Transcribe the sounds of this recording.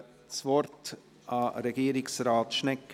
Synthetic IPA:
t͡svɔɾt | ɑɾɛɡiːɾɪksrɑːt̪ʃnɛkː

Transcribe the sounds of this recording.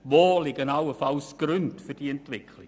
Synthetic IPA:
voːlɪɡənawəfawsɡ̥ɾʉntfəd̥iɛntvɪkʰlɪ

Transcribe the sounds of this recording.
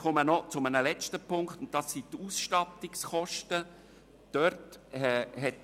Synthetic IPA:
χɔmənɔt͡sʊmənəlɛt͡ʃtəpʰʊŋkχtʊnt̚dɑsːit̪uːsʃtɑtiksχɔʃtə | d̥œɾthɛɦɛt

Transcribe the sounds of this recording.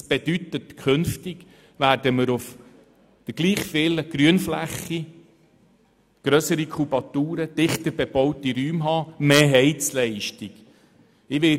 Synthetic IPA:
sb̥ed̥yt̪ətkʰɵnftɪɡ | ʋæːɾdəməɾʊf | d̪̥əɡ̥liːχfɪləɡ̥ɾyənflæχːi | ɡ̥ɾœsəɾikʰubɑt̪uːɾəd̥̪ɪχtəɾbeb̥ɔwtiɾyːmɦɑːmeːɦɛɪt͡slɛɪʃtiɡ̥ | ɪʋɪ

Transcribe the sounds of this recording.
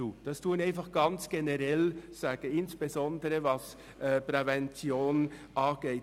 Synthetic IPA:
uːd̥ɑstʰuːənæɪnfɑχɡ̥ɑnt͡sɡ̥enəʁɛlsaːɡ̥əɪnsb̥ezɔndəɾəvɑs | ʔɛpʁɛvɛnt͡sjoːnʔɑːɡ̥eɪ

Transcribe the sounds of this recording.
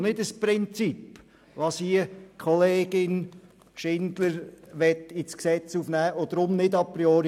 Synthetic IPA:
nɪdəspɾɪnt͡sip | ʋɑsiəkʰɔleːɡ̥ɪn | ʃɪnd̪ləɾʋɛt̪ɪt͡sksɛt͡sufnæːod̥̪ɾʊmnɪdɑpɾiɔɾ

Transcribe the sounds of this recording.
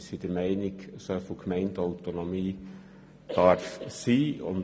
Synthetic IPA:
sid̥əɾmæɪnɪɡsofokʰmɛɪndaʊtonomiː | d̥ɑɾfsiːʊ̰n

